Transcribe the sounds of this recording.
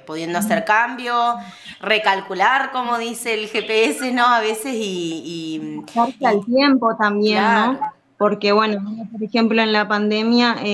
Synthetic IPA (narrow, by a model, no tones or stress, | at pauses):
puðjend̪oaseɾkambjorekalkulaɾkomoðiseːlxepeeseno̞aβesesiː | aɾtealt̪je̞mpo̞t̪ambje̞nːo̞ | po̞ɾke̞βwe̞noopoɾexe̞mplo̞enlapand̪e̞mja